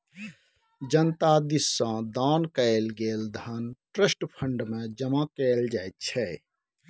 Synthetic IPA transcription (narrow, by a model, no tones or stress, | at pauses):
d͡ʒənt̪ad̪isːə̃d̪ankəelɡeld̪ʱənʈɾəsʈpʰəɳɖmẽd͡ʒəmakəeld͡ʒajt̪̚t͡ʃʰɛ